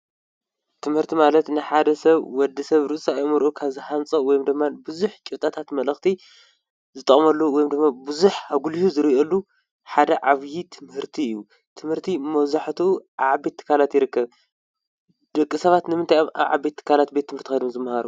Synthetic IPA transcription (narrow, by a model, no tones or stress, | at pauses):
t̪ʰɨmhɨɾt̪ʰimalɐt̪nɨħad̪ɐsɐβwɔd̪ːɐsɐβɾɨsʼajmɨɾʔukʰaβzɨħant͡sʼɐwɔjomd̪ɨmːabɨzuħt͡ʃʼɪt̪ʼat̪ʰat̪mɐlɐxt̪ʰi | zɨt̪ʼːɐχʼmɐlːuwɔjomd̪ɨmːabɨzuħaβɡulihuzɨɾiʔolːu | ħad̪ɐʕaβjit̪ʰɨmhɨɾt̪ʰiɨjːu | t̪ʰɨmhɨɾt̪ʰimɐwzaħt̪ʰuʔaβʕabe̞t̪ʰːɨ̥kʰːalat̪jɪɾɨkːɐβ | d̪̥ɐkʼːɨsɐβat̪nɨmɨnt̪ʰajoma̰βʕa̰bet̪ʰːɨ̥kʰalat̪̚be̞t̪ʰːɨmhɨɾt̪ʰixɐjd̪umzɨmːɐhaɾu